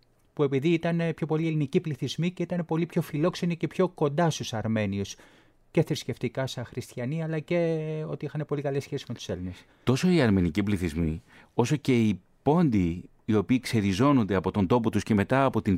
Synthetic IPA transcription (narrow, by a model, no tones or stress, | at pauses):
pue̞piðiit̪ɐnepço̞po̞lie̞linicipliθizmice̞it̪ɐne̞po̞lipço̞filo̞kse̞nice̞pço̞ko̞nd̪ɐst̪usɐɾme̞nius | ce̞θɾisce̞ft̪ikɐsɐxɾist̪çɐniɐlɐceo̞̰t̪iixɐne̞po̞likɐlesçe̞sizme̞t̪u̥se̞line̞s | t̪o̞so̞iɐɾme̞nicipliθizmi | o̞so̞ce̞i | po̞nd̪iː | o̞piːkse̞ɾizo̞no̞nd̪e̞ɐpo̞t̪o̞nd̪o̞po̞t̪usceme̞t̪ɐːpo̞t̪in